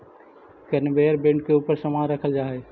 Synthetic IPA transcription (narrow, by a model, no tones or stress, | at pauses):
kənbeəɾbẽɳɖ̚keuːpəɾsəmaɾəkʰəld͡ʒaːɦɛ